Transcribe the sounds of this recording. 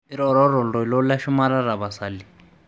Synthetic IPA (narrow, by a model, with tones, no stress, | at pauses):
i˦ɾɔ˨ɾɔ˦ɾɔ˨ldɔ˨lɔ˦la˦ʃu˦ma˦ɾa˦ɾa˨βa˨sa˨li˨